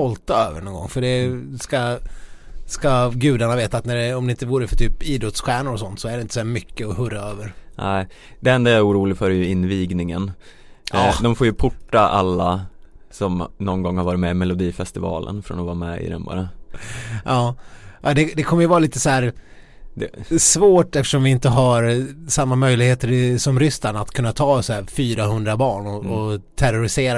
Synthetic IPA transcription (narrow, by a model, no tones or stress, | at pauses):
ɔlt̪aøːvə̰ɳɔnɡɔ̰ŋːfœɖɛska | skaɡʉ̟ːd̪aɳaveːt̪aːt̪næɖɛɔmd̪ɛɪnt̪əvuːɾəfœʈʰyːpiːd̪ɾɔt̪sɧæːɳʊɾɔsɔnt̪sɔæɖɛɪnt̪əsæːmʏkːəɔhɵɾaøːvəɾnæɪ | d̪̥ɛɛnd̪ajaɛɾuːɾuːlɪɡfœɾjɵɪnːviːɡnɪŋən | d̪ɔmfoːjɵpʰʊʈːaʔa̰lːa | sɔmnɔnɡɔŋːhaɾvɑːɾɪt̪mɛɪmɛlʊd̪iːfɛst̪ɪvɑ̰ːlʔə̰nfɾɔ̰nɔvɑːmɛ̰ɪ̰d̪ɛ̰nbɑ̰ːɾa | ʔɑːʔad̪ɛd̪ɛkʰɔmːəjəvɑːɾaliːt̪əsɔæːɾ | d̪ɛsvoːʈɛft̪ə̥ʂɔmvɪɪnt̪əɦaɾsamːamœjlɪɡheːt̪əɾɪsɔmɾʏst̪anat̪kʰɵnːat̪ʰɑːsɔæːɾfyːɾaɦɵnd̪ɾabɑːɳɔɔt̪ʰæɾʊɾɪseːɾa